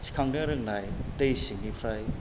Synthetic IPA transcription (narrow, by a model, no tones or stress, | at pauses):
sʰi̥kʰaŋnɯɾɯŋnajtejsiŋnipʰɾaj